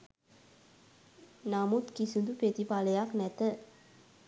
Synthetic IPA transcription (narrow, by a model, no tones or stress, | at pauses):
namut̪kisɨnd̪upet̪ipalejaknɛt̪ə